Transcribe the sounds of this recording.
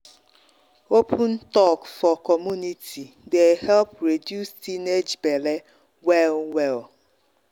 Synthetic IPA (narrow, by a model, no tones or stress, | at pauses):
opʰun̩tɔkfɔkɔmunitʰi | dehɛlpɾedjustined͡ʒbele | wɛlwɛl